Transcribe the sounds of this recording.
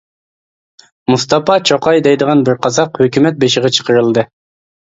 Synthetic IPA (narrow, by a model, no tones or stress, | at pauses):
must̪ɑpɑt͡ʃʰoqɑjd̪ɛjd̪əʁɑnbɪɾqʰɑzɑqhøkʲymɛt̪̚beʃɪʁɑt͡ʃʰə̥qʰəɾɨlˠd̪ɨ